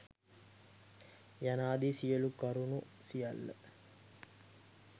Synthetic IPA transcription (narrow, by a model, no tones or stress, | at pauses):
janaːd̪isijəlukɐɾunu | sijalːə̰